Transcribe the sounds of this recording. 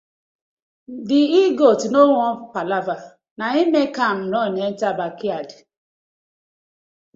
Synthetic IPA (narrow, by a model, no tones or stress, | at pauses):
dɪiɡotnoŋʷɔpalava | naimekam̩nɔɲen̩tabakiad